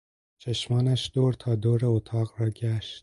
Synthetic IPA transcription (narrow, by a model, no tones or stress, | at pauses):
t͡ʃʰeʃmɒːnæʃd̪̥oːɾt̪ʰɑːd̪oːɾɛot̪ʰɑːqɾɒːɟæʃt̪̚